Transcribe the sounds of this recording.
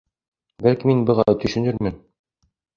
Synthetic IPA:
bælkiminbɤ̆ʁɑt̪ɵ̆ʃɘ̆nɘɾmɘn

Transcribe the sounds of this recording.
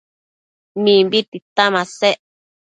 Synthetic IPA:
mĩmbit̪it̪amãseʔ

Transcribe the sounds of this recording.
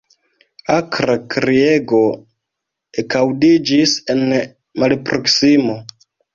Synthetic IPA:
akɾakɾieɡo̞ | ekawdid͡ʒise̞n | malpɾo̞ksimo̞

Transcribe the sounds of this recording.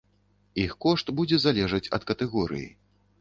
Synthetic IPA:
ixkɔʂt̪bud͡zʲɛzalʲɛʐɐt͡sʲɐ̰t̪kɐt̪ɛɣɔɾɨ̰jḭ

